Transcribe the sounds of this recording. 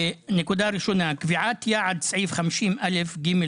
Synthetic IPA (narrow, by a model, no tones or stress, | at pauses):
nekud̪aɾiʃonakviʕat̪jaʕad̪sʕiːvχamiʃimʔalefɡime